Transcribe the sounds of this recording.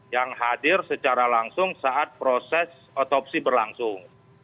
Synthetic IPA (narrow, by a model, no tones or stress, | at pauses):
jaŋhadɪrsət͡ʃaɾalaŋsʊŋsaʔat̪̚pɾɔsɛs | ɔt̪ɔp̚sibərlaŋsʊŋ